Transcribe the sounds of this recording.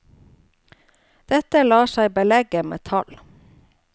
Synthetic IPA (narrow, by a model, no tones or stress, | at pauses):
d̪̥ɛt̪əlɑːʃæɪbəlɛɡəmḛːt̪ʰɑl